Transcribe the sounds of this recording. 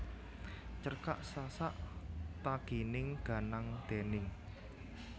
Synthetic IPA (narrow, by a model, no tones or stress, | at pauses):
t͡ʃərka̰ʔsasaʔt̪aɡ̥inɪŋɡ̥a̤naŋd̪̥e̤nɪŋ